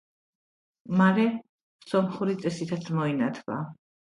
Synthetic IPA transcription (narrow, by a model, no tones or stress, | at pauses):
maɾɛ | sɔmχuɾit̪sʼɛsit̪ʰat̪sʰmɔinat̪ʰva̰